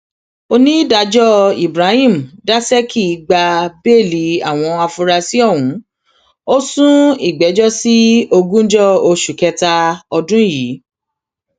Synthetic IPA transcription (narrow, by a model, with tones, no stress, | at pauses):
o˧nĩ˦da˧d͡ʒɔ˦i˨bɾa˨˦hĩ˦˨m̩˨da˦sɛ˦ki˦˨˦ɡ͡ba˧be˦˨li˨˦a˨w̃ɔ̃˧a˧fũ˧ɾa˧si˦ɔ˦˨wũ˨˦ | o˦sũ˦i˦˨ɡ͡bɛ˨˦d͡ʒɔ˦si˦o˧ɡũ˦d͡ʒɔ˦o˧ʃu˨kɛ˧ta˧ɔ˧dũ˦˨ji˨˦